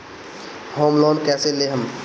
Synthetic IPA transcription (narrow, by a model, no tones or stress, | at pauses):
hoːmlɔːnkɛːseleɦəm